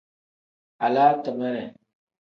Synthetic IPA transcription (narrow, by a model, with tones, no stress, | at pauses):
a˨laː˦tə˨mə˦ɾɛ˨